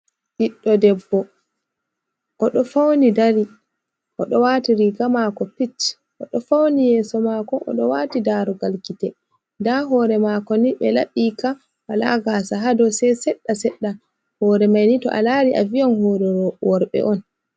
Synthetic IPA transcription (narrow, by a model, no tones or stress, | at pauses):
ʔiɗːɔdɛbːɔ | ʔɔɗɔfawnidaɾi | ʔɔɗɔwaːtiɾiɡamakɔpit | ʔɔɗɔfawnijɛːsɔmaːkɔʔɔ̰ɗɔwaːtidaɾɔɡalkitɛ | ndaɦɔːɾɛmakɔniɓɛlaɓiːka | wala̰ɡasaɦadɔsɛsɛɗːasɛɗːa | hɔːɾɛmajnitɔʔa̰laɾiʔa̰viɔnhɔɾɛɔwɔɾɓɛ̰ʔɔn